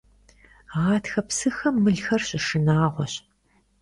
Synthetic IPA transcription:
ʁɑːtʰxɐpsɨxɐmːɨɮxɐrɕɪʂɨnaːʁʷɔɕ

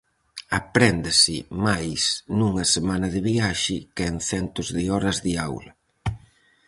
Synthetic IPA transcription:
apɾɛnd̪ɪsɪ̰majsnuŋɐsemanɐðɪβiaʃɪkɛŋθɛnt̪ʊzðɪɔɾɐzðɪawlɐ

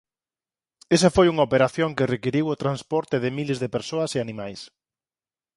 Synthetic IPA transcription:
es̬ɐfojuŋaopeɾaθjoŋkerekiɾiwot̪ɾanspɔɾt̪ɪðɪmilezðepeɾsoɐseanĩmajs

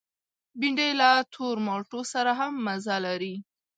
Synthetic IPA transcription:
biɳɖejlat̪ʰoɾmɑʈosaɾaɦamːazalaɾi

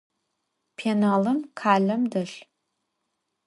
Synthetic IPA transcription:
pʰeːnaːlɐmkʰaːɮɐmdɐɬ

